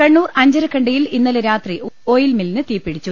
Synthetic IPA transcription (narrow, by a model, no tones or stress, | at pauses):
kɐɳːuːrɐɲd͡ʑɐɾɐkʰɐɳɖɐjilinːɐleɾaːt̪riʔo̞ːjilmilːnɨt̪iːpːiɽit͡ɕːu